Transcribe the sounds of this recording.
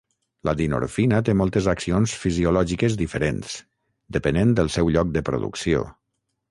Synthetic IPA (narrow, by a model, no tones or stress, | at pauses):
lʔaðino̰ɾfinat̪emɔlˠt̪əzaksionsfiziulɔʒikəzd̪ifəɾens | d̪əpənend̪əlˠsɛwʎɔk̚d̪əpɾo̰ðṵksio̰